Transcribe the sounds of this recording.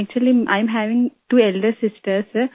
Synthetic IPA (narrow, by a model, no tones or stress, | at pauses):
k̚t͡ʃuəliʔã̰ɪ̃mɦæʋɪ̃ŋʈuːɛlɖəsɪsʈəs